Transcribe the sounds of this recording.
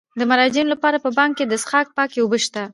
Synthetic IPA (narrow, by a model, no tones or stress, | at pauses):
d̪əmaɾɑd͡ʒinolapɑɾapəbɑŋkkːed̪əsxɑk̚pɑkewobəʃt̪a